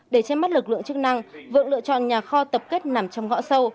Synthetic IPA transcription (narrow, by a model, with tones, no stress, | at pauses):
ɗe˧˩t͡ɕɛ˧mːa˦˥t̚lɨ˨˩k̚lɨ̰˧˨əŋt͡ɕɨ˦˥k̚na˧ŋvɨ̰˧˨əŋlɨ̰˧˨ət͡ɕɔ̰˧˨nɲaː˨˩xɔ˧t̪ə˨˩p̚ke˦˥t̚na˨˩mt͡ɕɔ˧wŋ͡mŋɔ̰˧˥sə˧w